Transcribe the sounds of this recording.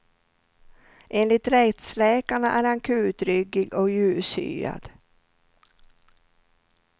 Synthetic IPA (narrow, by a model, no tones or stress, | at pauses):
ʔeːnlɪt̪ɾɛt̪slɛːkaɳaʔæːɾaŋkʰʉ̟ːt̪ɾʏɡɪɡɔkjʉ̟ːsy̰ːa̰d̪̥